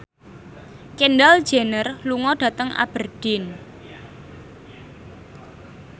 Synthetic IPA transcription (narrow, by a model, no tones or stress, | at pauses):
kenɖald̥ʒ̥e̤nərluŋɔɖ̥ä̤t̪əŋʔa̰b̥ərd̪̥ɪn